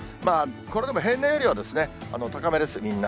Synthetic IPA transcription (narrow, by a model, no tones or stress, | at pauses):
maːkoɾe̞d̪e̞moɦẽ̞nːaeɾʲiβad̪e̞sɨne̞a̰not̪akame̞d̪e̞sɨmʲĩnːa